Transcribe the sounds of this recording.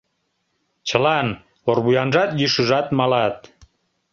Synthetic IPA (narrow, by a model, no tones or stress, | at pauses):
t͡ɕəlɑn | orβujɑnʒɑt̪jyʃuʒɑt̪mɑlɑt̪̚